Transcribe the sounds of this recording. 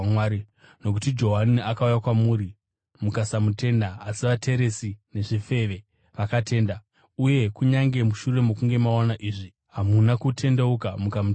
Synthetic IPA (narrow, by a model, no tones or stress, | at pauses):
waːɾi | no̞k̬utid͡ʒo̞ɦaniakaujakwamuːɾi | mukasamute̞ndaːsiʋatʰe̞ɾe̞sine̞ʐife̞ʋe̞ | ʋakatʰe̞ːnda | uje̞kuɲaŋɡe̞muʃure̞mo̞kuŋɡe̞maonaʔiːʐi | ɦamunakutʰe̞ndeukamukamut